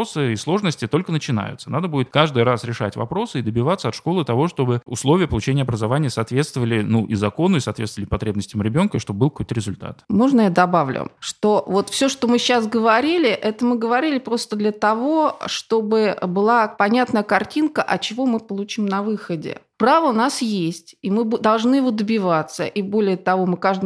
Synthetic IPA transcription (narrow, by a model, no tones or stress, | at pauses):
osɨislˠo̞ʐnəsʲtʲɪt̪o̞lʲkənət͡ɕɪna̰jʊ̰t̪sənad̪əbudʲɪt̪kaʐd̪ɨjɾasɾʲɪʂa̰tʲvɐ̰pɾo̞sɨɪd̪əbʲɪvat̪səɐt̪ʂko̞lˠɨt̪ɐvo̞ʂt̪o̞bɨʊ̰slˠo̞vʲɪjəpəlˠʊt͡ɕenʲjəɐbɾəzɐvanʲɪjəsaːt̪vʲe̞t̪st̪vəvəlʲɪnuʔizɐko̞nʊɪsɐːt̪vʲest̪vəlʲɪpɐt̪ɾʲebnəsʲtʲɪjəmɾʲɪbʲo̞nkəiʂt̪ob̚bɨlˠkɐkojt̪əɾʲɪzʊlʲt̪a̰t̪mo̞ʐnəjad̪ɐbavlʲʊ̰ʂt̪o̞vo̞t̪fsʲoʂt̪o̞mɨɕːas̬ɡəvɐɾʲilʲɪʔɛt̪əmɨɡəvɐɾʲilʲɪpɾo̞st̪əd̪lʲət̪ɐvo̞ʂt̪o̞bɨbɨlˠapɐnʲat̪nəjəkɐrtʲinkəʔɐt͡ɕɪvo̞mɨpəlˠʊt͡ɕimnɐvɨxədʲɪ̰pɾavəʊnasjesʲtʲimɨbd̪ɐlˠʐnɨjɪvo̞d̪əbʲɪvat̪səʔibo̞lʲɪjət̪ɐvo̞mɨkaʐd̪ə